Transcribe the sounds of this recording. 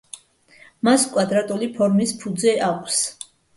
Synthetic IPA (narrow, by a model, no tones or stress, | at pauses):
maskʼwad̪ɾat̪ʼulipʰɔɾmispʰud̪zɛʔakʷʼʰs